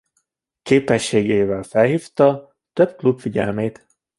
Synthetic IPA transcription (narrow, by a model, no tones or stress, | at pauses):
keːpɛʃːeːɡeːvɛlfɛlɦift̪ɒ | t̪øbklubfiɟɛ̰lmeːt̪